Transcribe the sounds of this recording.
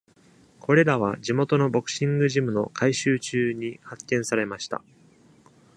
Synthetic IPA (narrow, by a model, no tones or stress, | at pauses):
kʰo̞ɾe̞ɾaβ̞ad͡ʑimo̞t̪o̞no̞bo̞kɯ̟̥ɕĩŋɡɯ̟ʑimɯ̟no̞kʰaiɕɨːt͡ɕɨːɲ̟ihakːẽ̞ɰ̃saɾe̞maɕi̥t̪a̰